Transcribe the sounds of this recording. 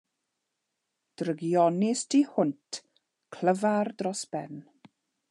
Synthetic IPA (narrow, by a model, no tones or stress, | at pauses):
d̥rəɡjɔnɪstʰihʊntʰ | kʰl̥əvardrɔsb̥ɛn